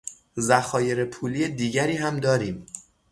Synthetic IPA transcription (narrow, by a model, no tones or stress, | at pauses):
zæxɒːje̞ɾepʰuːliːjed̪iːɟæɾiːɦæmd̪ɒːɾiːm